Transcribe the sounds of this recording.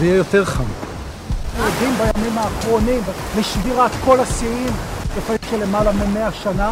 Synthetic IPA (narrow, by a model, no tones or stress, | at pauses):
zeijejo̞t̪eʁχam | ead̪imbajamimaːχʁo̞nimleʃviʁat̪ko̞lasiimlefaimʃelemalamemeaʃana